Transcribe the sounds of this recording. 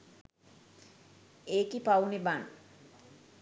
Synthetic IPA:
eːkipawneban

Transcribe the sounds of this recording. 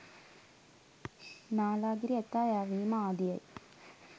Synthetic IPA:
naːlaːɡiɾiet̪ːaːjaːʋiːmaaːd̪ijɐ̰j

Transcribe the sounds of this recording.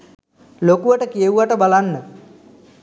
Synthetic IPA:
lokuʋəʈəkijeuʋaʈəbalanːə

